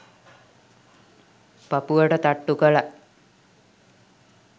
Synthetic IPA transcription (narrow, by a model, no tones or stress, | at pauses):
papuʋəʈət̪aʈːukəla